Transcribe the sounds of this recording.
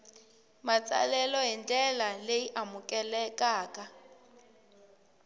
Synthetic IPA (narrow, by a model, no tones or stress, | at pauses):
mat͡sʼa̰lɛlɔɦɛntʼɛlaleiʔamʊkʼɛlɛkʼaːkʼa